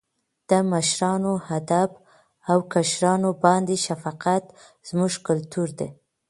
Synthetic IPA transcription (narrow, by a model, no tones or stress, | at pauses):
d̪̥əmaʃɾɑnohad̪ab | awkaʃɾɑnobɑnd̪eʃafɑqat̪ | z̥muʒkʊlt̪uɾd̪e